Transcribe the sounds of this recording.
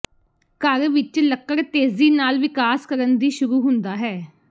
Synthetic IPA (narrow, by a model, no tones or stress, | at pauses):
kəɾʋɪt͡ʃləkːəɾt̪eːziːnaːlʋɪkaːskəɾənd̪iːʃʊɾuːɦʊnd̪aːɦɛː